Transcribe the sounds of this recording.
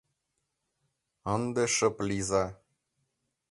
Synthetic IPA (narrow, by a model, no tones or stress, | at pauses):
ɑnd̪eʃɤ̆plizɑ